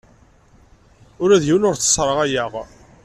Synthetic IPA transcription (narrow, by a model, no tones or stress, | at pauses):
ʊɾæðjiwnʊɾt͡sːə̥sˤɾˤəʁæjæʁ